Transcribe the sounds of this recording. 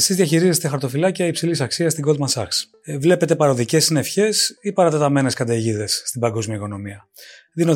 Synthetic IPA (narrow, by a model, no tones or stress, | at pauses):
esizðiɐçiɾizest̪exɐɾt̪o̞filɐciɐipsilisɐksiɐst̪iɡo̞lmɐsɐks | vle̞pe̞t̪e̞pɐɾo̞ðice̞sne̞fçe̞sipɐɾɐt̪et̪ɐme̞ne̞skɐnd̪ɐʝiðe̞sːt̪ibɐŋɡo̞zmiɐiko̞no̞miɐ | ðino